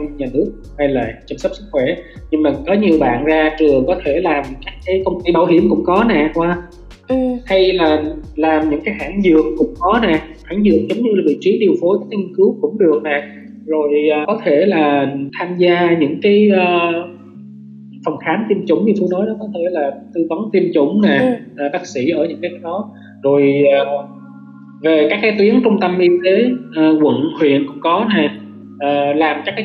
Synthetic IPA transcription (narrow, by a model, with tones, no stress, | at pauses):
ɲaː˨˩nɨ˦˥ək̚hə˧jla̰ː˧˨jt͡ɕə˧msə˦˥p̚sɨ˦˥k̚xwɛ˧˩ɲɨ˧˩mə˨˩kɔ˨˦ɲi˨˩əwɓa̰ː˧˨nzaː˧t͡ɕɨ˨˩əŋkɔ˨˦t̪ʰe˧˩laː˨˩mkaː˦˥k̚kaː˨˦jkə˧wŋ͡mt̪i˧ɓa˧˩whi˧˩əmkʊ̰˧˥ŋ͡mkɔ˨˦nɛ˨˩kwaː˧ | ha˧jlaː˨˩laː˨˩mɲɨ̰˧˥ŋkaː˨˦jha̰ː˧˥˩ŋzɨ̰˨˧˨əŋkʊ̰˧˥ŋ͡mkɔ˨˦nɛ˨˩ | ha̰ː˧˩ŋzɨ̰˧˨əŋ̚zə˨˦wŋ͡mɲɨ˧laː˨˩vḭ˧˨t͡ɕi˨˦ɗi˨˩əwfo˨˦jkaː˦˥k̚ŋi˧nkɨ˨˦wkʊ̰˧˥ŋ͡mɗɨ˨˩ək̚nɛː˨˩ | zo˨˩jkɔ˨˦t̪ʰe˧˩laː˨˩t̪ʰaː˧mzaː˧ɲɨ̰˧˥ŋkaː˨˦jʔəː˧ | fə˨˩ŋ͡mxʰaː˨˦nt̪i˧əmt͡ɕʊ̰˧˩ŋ͡mɲɨ˧t̪u˧jnɔ˨˦jɗɔ˨˦kɔ˨˦t̪ʰe˧˩laː˨˩t̪ɨ˧vɔ˨˦nt̪i˧əmt͡ɕʊ̰˧˩ŋ͡mnɛː˨˩ʔːɓaː˦˥k̚sḭ˧˩ʔəː˧˩ɲɨ̰˧˥ŋkaː˨˦a˨˦jɗɔ˨˦ | zo˨˩jː | ve˨˩kaː˦˥kːaː˨˦jt̪wi˨˦ənt͡ɕʊ˧ŋ͡mt̪ə˧mʔi˧t̪e˨˦ʔːkwə̰˧˨nhwḭ˧˨ənkʊ̰˧˥ŋ͡mkɔ˨˦naː˨˩ | ʔəː˨˩laː˨˩mka˦˥kːaː˨˦